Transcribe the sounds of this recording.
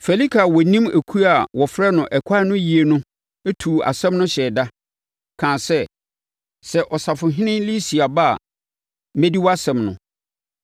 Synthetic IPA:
fe˨li˦kʰa˨wɔ˨nĩ˦mæ˨kʰu˦a˨wɔ˨fɾɛ˦nʊ̃˨ʔɛ˨kʷʰa˦nʊ̃˦ji˨e˨nʊ̃˦ | æ˦tʰu˨a̰˨sɛ̃˦mnʊ̃˦ɕɛ˨da˦ | kʰãː˨sɛ˦ | sɛ˨ʔɔ˨sa˨fʊ̃˨ɦɪ̃˦nɪ̃˦nli˦si˨a˨ba̰˦˨ | mɛ̃˦di˦wɔ˦a˦sɛ̃˨mnʊ̰̃˨

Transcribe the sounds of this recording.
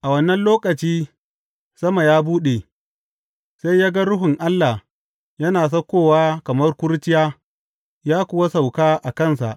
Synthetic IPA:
ʔa˨wɐ˦nːɐ˦nloː˦kʼɐ˨t͡ʃiː˦ | sɐ˦ma˨jaː˦buː˦ɗe˨ | sa˦jjaː˦ɡa˦ɽʊ˦ɦʊ˨ŋʔa˦lːa˨h | jɐ˦naː˨s̬ɐ˦kʷoː˦˨waː˦kɐ˨mɐ˦rkʷʊ˦ɾt͡ʃɪ˦jaː˦ | jaː˦kʷʊ˨wa˦sa˨wkaː˦ʔa˨kɐ˦˨nsa̰˨ʔ

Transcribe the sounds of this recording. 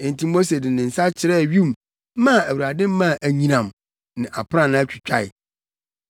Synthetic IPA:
ɛ̃˨n˨ti˦mo˦s̬e˨dɪ˨nɪ̃˨n̩˨sa˦t͡ɕʰɪ˨ɾɛ˦˨ɥi˦˨˦m˦ | ã˦˨æ˨wu˨ɾa˨dɪ̃˦m˦mã˦˨ʔæ˨ɲĩ˨nã˨m | nɪ̃˨ʔa˨pʰɾã˦˨nã˦t͡ɕᶣɪ̥˨t͡ɕᶣʰa˦˨ɪ̰˨

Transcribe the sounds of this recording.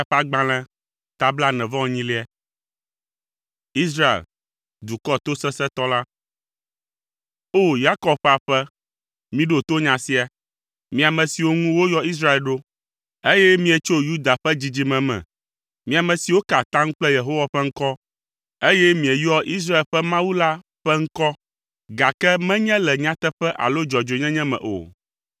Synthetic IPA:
a˨ɸa˦ɡ͡bã˨lɛ̃˦ | t̪a˦bla˦nɛ̃˨vɔ̃˦o˨ɲĩ˦li˦a˨ | i˦s̬ɾa˦ḛ˨l | d̪u˨kɔ˦t̪o˦sɛ˦sɛ˦t̪ɔ˦la˦ | o˦ja˦kɔ˨b̚ɸa˨ɸɛ˦ | mĩ˦ɖo˨t̪o˦ɲã˨si˦a˨ | mĩ˨a˨mɛ̃˨si˨wo˦ŋũ˦wo˦jɔ˦i˦s̬ɾa˦e˨lɖo˦ | e˦jɛ˦mĩ˦ɛ˨t͡ʃo˦ju˦d̪a˨ɸɛ˦d͡ʑi˦d͡ʑi˦mɛ̃˨mɛ̰̃˨ | mĩ˦a˨mɛ̃˨si˨wo˦ka˨t̪ã˦ŋ̩̃˦k͡plɛ˦je˨ɦo˦wa˨ɸɛ˦ŋ̩˦kɔ˦ | e˦jɛ˦mĩ˨ɛ˨jɔ˦ʔi˦s̬ɾa˦e˨lɸɛ˦mã˦wu˦la˦ | ɸɛ˦ŋ̩˦kɔ˦ | ɡa˨kɛ˦mɛ̃˦ɲɛ̃˦lɛ˨ɲã˦t̪ɛ˦ɸɛ˦ʔa̰˨lo˦d͡ʒɔ˨d͡ʒo˨˦ɲɛ̃˦ɲɛ̃˦mɛ̰̃˨ʔo̰˨

